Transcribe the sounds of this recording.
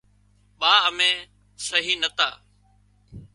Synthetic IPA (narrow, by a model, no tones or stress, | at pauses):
ɓãːəmẽː | səɦiːnət̪aː